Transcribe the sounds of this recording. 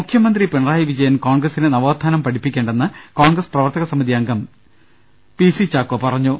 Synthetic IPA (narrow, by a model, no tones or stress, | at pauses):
mukʰjɐmɐnd̪ripeɳraːjiʋid͡ʑɐjɐnkoːɳɡrɐsinɨnɐʋoːd̪ʱːaːnɐmpɐʈʰipːikʲːe̞ːɳɖenːɨkoːɳɡrɐsprɐʋɐrt̪ɐɣɐsɐmiðiɐŋɡʱɐm | pisit͡ɕaːkːɐpɐrɐɲːu